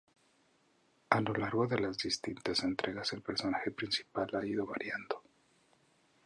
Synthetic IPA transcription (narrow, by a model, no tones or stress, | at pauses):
alo̞laɾɣo̞ðe̞lazðist̪int̪ase̞nt̪ɾʔe̞ɣase̞lpe̞ɾso̞naxe̞pɾinsi̥palaiðo̞βaɾjand̪o̥